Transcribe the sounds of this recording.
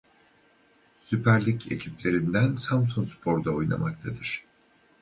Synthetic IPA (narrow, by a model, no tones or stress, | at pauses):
sypʰæɾlʲicʰe̞̰cʰiplʲe̞ɾind̪ænsamsunspʰo̞ɾd̪aojna̰mak̚t̪ʰad̪ɯɾ̝̥